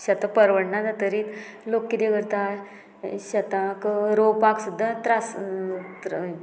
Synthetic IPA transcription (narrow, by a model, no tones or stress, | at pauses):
ɕət̪ãpəɾʋəɽnad͡zat̪əɾit̪ | lokːid̪eɡəɾt̪a | ɕɐt̪ãkɾopaksud̪ʱːat̪ɾast̪